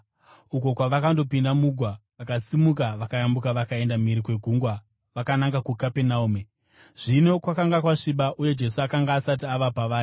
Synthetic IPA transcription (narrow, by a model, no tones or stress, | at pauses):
uko̞kwaʋakando̞pindamuɡʱwaʋakasimuk̬aʋakajambukaʋakae̞ndamiɾikwe̞ɡʱuːŋɡwa | ʋakanaŋɡakukapenauːme | ʐ̥ino̞kwakaŋɡakwaʂiɓaʔuje̞d͡ʒe̞s̬uakaŋɡaːsat̬iaʋapaʋaːri